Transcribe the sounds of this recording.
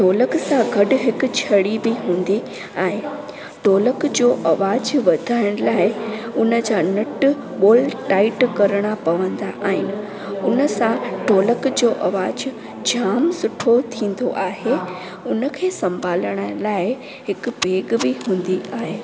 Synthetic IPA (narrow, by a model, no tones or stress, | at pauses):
ʈoːləksãɡʱɐɗʊ̆ɦɪkʊ̆t͡ɕʰɐɽibɪɦũːnd̪i | aːɦe | ʈoːləkd͡ʑoːʔɐʋaːd͡ʑʋɐd̪ʱaːɪɽ̃laːɪʊnəd͡ʑaːnɐʈʊ | ɓoːlʈaːɪʈkɐɾəɽ̃apɐʋə̃nd̪aʔaːɦɪnɪ̆ | ʊnə̆sãʈoːləkd͡ʑoːʔɐʋaːd͡ʑ | d͡ʑʱaːmsʊʈʰot̪ʰĩːn̆d̪oʔaːɦe | ʊnə̆kʰeːsɐ̃mbʱaːləɽ̃alaːɪ | ɦɪkbʱeːɡbɪɦũːnd̪iaːɦeː